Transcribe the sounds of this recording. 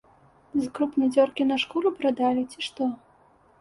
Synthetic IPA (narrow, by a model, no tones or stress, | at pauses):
zkɾupnɐjd͡zʲɔrkʲinɐʂkɔlupɾad̪alʲit͡sʲiʂt̪ɔ